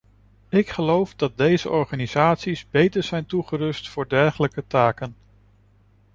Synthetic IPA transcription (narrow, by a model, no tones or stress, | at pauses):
ɪkχəlowfdɑt̚dejzəʔɔɹχaːnizaːtsizbejtəɹz̥ɛjntuχəɾɵstfʊːɹdɛɹχələkətaːkən